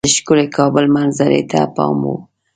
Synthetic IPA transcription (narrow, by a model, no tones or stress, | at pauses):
əʃkʊlekʰɑbəlmanzaɾḛt̪ʰapɑmu